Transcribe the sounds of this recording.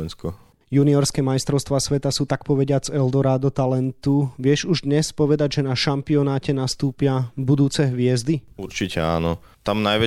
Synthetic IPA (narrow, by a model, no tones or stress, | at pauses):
ɛnskɔ | juniɔɾskɛːmajst̪ɾɔʊst̪ʋaːsʋɛt̪asuːt̪akpɔʋɛɟɪad͡zɛld̪ɔɾad̪ɔt̪alɛnt̪uʋɪɛʃuʒd̪ɲɛspɔʋɛd̪aɟʒɛnaʃampiɔnaːcɛnast̪uːpɪabud̪uːt͡sɛɦʋɪɛzd̪iuɾt͡ʃicɛa̰ːnɔ | t̪amnajʋɛ